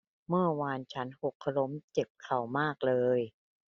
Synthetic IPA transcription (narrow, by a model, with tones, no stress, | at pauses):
mɯ˥˩ɐwaː˧nt͡ɕʰa˦˥nho˨˩kʰːa˧lo˦˥mt͡ɕe˨˩p̚kʰa˨˩wmaː˥˩k̚lɤː˧j